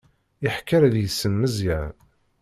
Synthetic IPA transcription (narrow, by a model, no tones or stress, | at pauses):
iħkːəɾæðjəsːənməzjæn